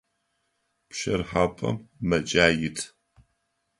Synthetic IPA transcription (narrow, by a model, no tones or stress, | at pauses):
pʃɐrħaːpʼɐ̰mːɐt͡ʃʼaːjɪtʰ